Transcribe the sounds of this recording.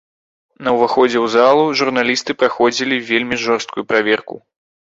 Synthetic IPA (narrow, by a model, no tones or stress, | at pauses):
nɐwvaxɔd͡zʲɛwzalˠuʐurnalʲist̪ɨpɾaxɔd͡zʲilʲivʲelʲmʲiʐɔrst̪kujupɾavʲɛrkṵ